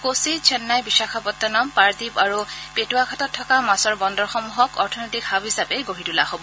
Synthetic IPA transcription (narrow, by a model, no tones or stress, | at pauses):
kosit͡ʃʰɛnːajbisakʰapɔt̪ːɔnɔmpaɹtipaɹupetuakʰatɔtʰːɔkamasɔɹbɔndɔɹxɔmuɦɔkɔɹtʰɔnɔjtikhabɦisapɛɡoɹitulaɦobɔ